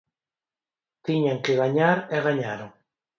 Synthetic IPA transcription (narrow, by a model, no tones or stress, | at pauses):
t̪iɲaŋkeɣaɲaɾeɣaɲaɾoŋ